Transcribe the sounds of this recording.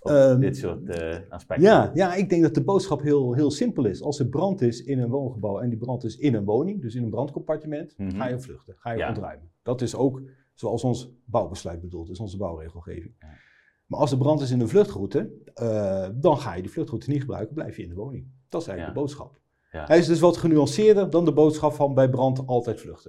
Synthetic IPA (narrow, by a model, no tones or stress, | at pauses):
tsʊtaspɛjajaːɪɡ̚dɛŋk̚dɑt̚dəbowtsχɑpɦɪlˠɦɪːlˠsɪmpəlˠɪsɑlˠsəbrɑntɪsɪnənʋownχəbɑwɛndibrɑntɪsɪnənʋownɪŋdɵsɪnənbrɑntkompaɹtəmɛntχaːjəflɵχtəχaːjəɔ̃ntrœ̰ɥmənd̥ɑtɪsowk | soɑlˠsɔnsbɑwbəslœɥt̚bədulˠtdəsɔnzəbɑwrejχəl̩ˠχḛːvɪŋ | ma̰ːʔɑlˠsəbrɑntɪs̬ɪnənvløχtχrutə | dɑnχa̰ːjədiflɵχtrutəniχəbrœ̰ɥkəblɛ̰jfjəɪndəʋownɪŋd̥ɔtɪsɛjləɡdəbowtsχɑ̰p | ɦɛɪsdɵsʋɔtχənyɑnsɪːɹdərdɑndəbowtsχɑpfɑnbɛjbrɑntɑlˠtɛjtflʏχtə